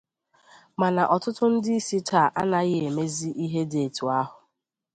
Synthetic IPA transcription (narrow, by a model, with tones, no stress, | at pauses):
ma˨na˨ʔɔ˨tʊ˦tʊ˦n̩˦dɪ˦i˦si˦ta˨ʔa˦na˨ɣɪ˦e˨me˦zi˦ʔi˦ɦe˦de˨tu˨a˦ɦʊ˨